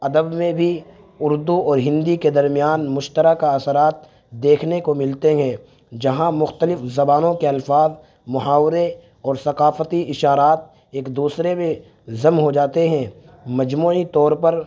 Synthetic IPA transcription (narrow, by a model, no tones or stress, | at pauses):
ɐd̪əbmẽbʱi | ʊɾd̪uɔːɾɦɪ̃nd̪iked̪ɐɾmijaːnmʊʃt̪əɾakaɐsəɾaːt̪ | d̪eːkʰnekomɪlt̪eɦɛ̃ː | d͡ʒɐɦãmʊxt̪əlɪfzɐbaːnõkeɐlfaːz | mʊɦaːwɾe | ɔːɾsɐqaːfət̪iɪʃaːɾaːt̪̚ | eːkd̪uːsɾemẽ | zɐmɦod͡ʒaːt̪eɦɛ̃ː | mɐd͡ʒmuːit̪ɔːɾpɐɾ